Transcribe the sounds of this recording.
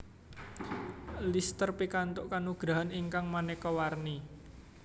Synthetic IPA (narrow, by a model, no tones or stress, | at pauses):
list̪ərpikant̪ʊʔkanuɡ̥ɾaɦaniŋkaŋmanɛkɔwarni